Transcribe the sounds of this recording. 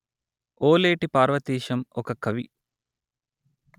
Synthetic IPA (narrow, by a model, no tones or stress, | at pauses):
oːleːʈipaːɾʋɐt̪iːʃɐmɔkɐkɐʋi